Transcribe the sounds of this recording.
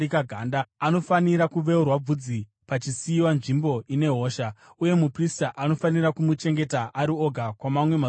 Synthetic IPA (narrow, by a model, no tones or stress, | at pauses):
ikaɡʱaːndaano̞faniɾakuʋe̞urwab͡vud͡zi | pat͡ʃisiːwanʐimbo̞ʔine̞ɦo̞ːʃa | uje̞mupristaʔano̞faniɾakumut͡ʃe̞ŋɡe̞taʔaɾio̞ɡʱakwamamwe̞ma